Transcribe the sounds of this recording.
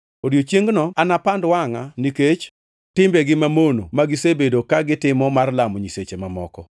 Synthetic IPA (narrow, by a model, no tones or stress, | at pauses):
oɾjot͡ʃjeŋɡnɔanapandwaŋaniket͡ʃ | tɪmbeɡɪmamonomaɡɪsebedokaɡɪtɪmɔmarlamɔɲiset͡ʃemamɔ̰kɔ